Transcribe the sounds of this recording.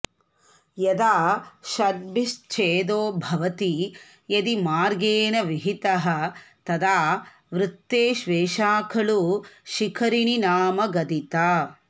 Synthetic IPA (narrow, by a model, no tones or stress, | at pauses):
jɐd̪aːʃɐɾ̚bist͡ʃʰeːd̪oːbʱɐʋɐt̪i | jɐd̪imaːɾɡeːnɐʋiɦit̪ɐɦɐ̆t̪ɐd̪aː | ʋɾut̪ːeːʃʋeːʃaːkʰɐɭuʃikʰɐɾininaːmɐɡɐd̪it̪aː